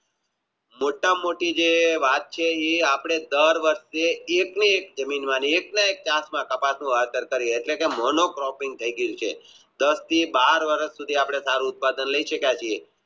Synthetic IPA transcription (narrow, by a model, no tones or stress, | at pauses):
moʈːamoʈid͡ʒeʋat̪̚t͡ʃʰeeapɽ̃ed̪əɾʋəɾʃeːkniekd͡ʒəminmãnieknaek̚t͡ʃãsmãkəpasnũʋaɾt̪əɾkəɾjet̪lekemɔnokɾɔpĩŋɡ̚t̪ʰəiɡəjũt͡ʃʰe | d̪əst̪ʰibaɾʋəɾəsːud̪ʱiapɽ̃esaɾũʊt̪̚pad̪ənləiʃəkjat͡ʃʰie